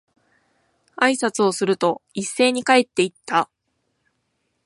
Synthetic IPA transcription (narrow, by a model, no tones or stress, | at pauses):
aisat͡sɨo̞sɨɾɯ̟t̪o̞isːe̞ːɲ̟ikae̞t̪ːe̞it̪ːa